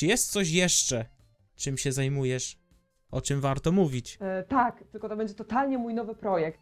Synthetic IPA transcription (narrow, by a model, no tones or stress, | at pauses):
jɛst̪sɔɕ̬jɛʂt͡ʂɛ | t͡ʂɨmɕɛzajmujɛʂ | ʔɔt͡ʂɘmvaɾt̪ɔmuvʲit͡ɕt̪akt̪ɘlkɔt̪ɔbɛɲd͡ʑɛt̪ɔt̪alɲɛmujnɔvɘpɾɔjɛk̚t̪